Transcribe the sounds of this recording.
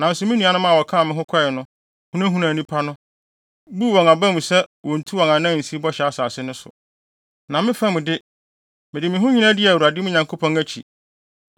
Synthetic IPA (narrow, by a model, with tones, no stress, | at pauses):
nã˨n̩˦sʊ˨mɪ̃˦nĩ˨a˨nʊ̃˦mã˦˨ɔ˨kʰã˦˨mɪ̃˦ɦʊ̃˦kʷʰa˦˨ɪ˨nʊ̃˦ | hu˦nã˦ɦũ˦nã˨nĩ˦pʰa˦nʊ̃˦ | bu˦wɔ̃˨ŋa˨bã˦mũ˨sɛ˦wɔ˨n̩˨tʰu˦wɔ̃˨ŋã˨nã˦˨n̩˨si˦i˦bɔ˦ɕɛ˨a˦saː˨sɪ˦nʊ̃˦sʊ̰˨ | nã˨mɪ̃˦fã˦mʊ̃˨dɪ˦ | mɪ̃˨dɪ˨mɪ̃˨ɦʊ̃˦ɲĩ˦nã˦dɪ˦˨wu˨a˨dɪ˦mʊ̃˦ɲã˨ŋkʰo˦pʰɔ̃˦ŋæ˦t͡ɕʰḭ˨